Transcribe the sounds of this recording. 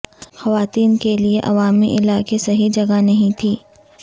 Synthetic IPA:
xɐʋaːt̪iːnkelieʔɐʋaːmiʔɪlaːkesɐɦid͡ʒɐɡanɐɦĩt̪ʰiː

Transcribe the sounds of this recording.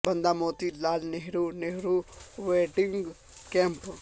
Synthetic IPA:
bɐ̃nd̪amoːt̪ilaːlneɦɾuneɦɾuʋeːʈɪŋɡ | kẽmp

